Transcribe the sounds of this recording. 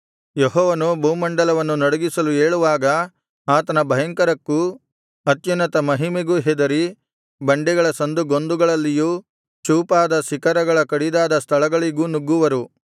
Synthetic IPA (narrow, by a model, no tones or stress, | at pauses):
jeɦɔːʋɐnubʱuwmɐɳɖɐlɐʋɐnːunɐɽɐɡisɐlueːɭuʋaːɡɐ | aːt̪ɐnɐbʱɐjɐŋkɐɾɐkːu | ɐt̪junɐt̪ɐmɐɦimeɡuɦɛd̪ɐɾi | bɐɳɖɛɡɐɭɐsɐnd̪uɡo̞nd̪uɡɐɭɐlːiju | t͡ʃuːpaːd̪ɐsikɐɾɐɡɐɭɐkɐɽid̪aːd̪ɐst̪ʰɐlɐɡɐɭiɡunuɡːuʋɐɾu